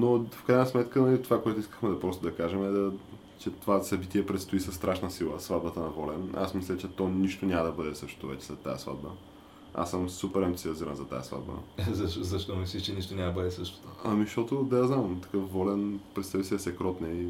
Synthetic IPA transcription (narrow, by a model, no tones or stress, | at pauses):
nofkɾajnəsmɛt̪kənɐlit̪ovakoɛt̪ʊiskə̥xmɛd̪ɐpɾɔst̪od̪ɐkaʒɛmɛd̪ɐ | t͡ʃɛt̪ovasɐbit̪iɛpɾɛt̪st̪oisɐst̪ɾaʃnəsilˠəsvad̪bət̪ənɐvɔlɛna̰smislʲət͡ʃɛt̪ɔniʃt̪onʲaməd̪ɐbɤd̪ɛsɤʃt̪o̥t̪ovɛ̰t͡ʃɛ̥zɐt̪a̰jə̰sva̰d̪̚bə̰ | a̰səmsupɛɾɛmt̪siɐziɾə̰nzɐt̪a̰jə̰sva̰d̪bə̰zɐʃzɐʃt̪ɔmifslʲiʃt͡ʃɛniʃt̪onʲambəd̪ɛsəʃt̪o̥t̪oɐmizʃt̪ɔt̪od̪aaznamt̪ɐ̥kɤfvɔlɛnpɾɛt̪st̪avisiɛsɛkɾɔt̪nɛi